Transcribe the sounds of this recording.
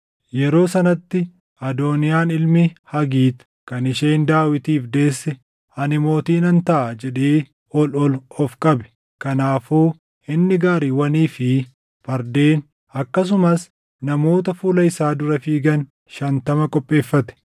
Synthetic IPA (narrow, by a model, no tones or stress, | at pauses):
jɛɾo̞ːsɐnɐt̪ːɪ | ɐd̪oːnɪjaːnɪlmɪhɐɡiːt̪ | kɐnɪʃeːnd̪aːwɪt̪iːfd̪e̞ːsːɛ | ɐnɪmo̞ːt̪iːnɐnt̪ɐʔɐd͡ʒɛᶑeː | ɔlɔlɔfkʼɐbɛ̥ | kɐnaːfuː | ɪnːɪɡaːɾiːwɐniːfɪ | fɐɾd̪e̞ːn | ɐkːɐs̬ʊmɐs | nɐmo̞ːt̪ɐfuːlɐɪsaːd̪ʊɾɐfiːɡɐn | ʃɐnt̪ɐmɐkʼɔpʼːe̞ːfːɐt̪ɛ̥